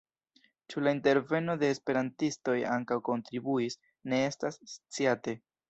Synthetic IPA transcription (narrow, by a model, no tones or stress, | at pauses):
t͡ʃulainte̞ɾve̞no̞de̞ːspe̞ɾantisto̞ja̰ŋkawko̞ntɾibuis | ne̞estast͡siate̞